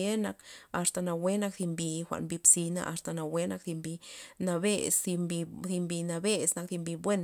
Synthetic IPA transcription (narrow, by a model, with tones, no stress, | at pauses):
e˦na˧ka˧st̪a˧na˧we˦na˦kθi˧mbi˧xʷa̰˧˨ʔnbi˧psi˧na̰˧ʔa˧st̪a˧na˧we˦na˧kði˧mbi˧na˧be˦si˧mbi˧θi˧mbi˧na˧be˧sna˧k̚ði˧mbi˧bwe˦n